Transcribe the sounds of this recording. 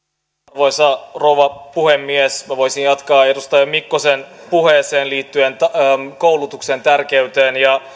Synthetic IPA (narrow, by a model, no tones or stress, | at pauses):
ʋoisɑroʋɑpuhemːiesmæʋojsijjɑt̪kɑːedust̪ɑʋemmikːosenpuheːseːnliːt̪ːyent̪ːkowlut̪uksent̪ærkeyt̪eːnjɑ